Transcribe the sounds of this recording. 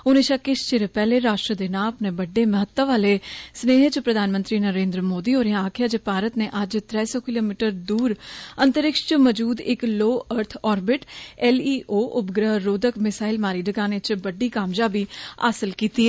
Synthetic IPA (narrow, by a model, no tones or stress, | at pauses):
onẽːʃakɪʃt͡ʃeːɾeːpɛːleːɾaːʃʈɾəd̪eːnaːləpneːbəɖːeːməɦət̪ːəʋaːleːsneːɦet͡ʃpɾəd̪ʱaːnmənt̪ɾiːnəɾẽːnd̪ɾəmoːd̪iːɦoːɾeãaːkʰɪjaːd͡ʒepaːɾət̪neːʔəd͡ʒt̪ɾɛːsɔːkɪloːmiːʈəɾd̪uːɾənt̪əɾɪkʃt͡ʃməd͡ʒuːd̪ɪkloːʔəɾt̪ʰɔːɾbɪʈɛliːʔoːʔʊpɡɾəɦɾoːd̪əkmɪsaːɪlmaːɾiːɖəɡaːnet͡ʃbəɖiːkaːmd͡ʒaːbiːa̰ːsəlkiːt̪iːɛː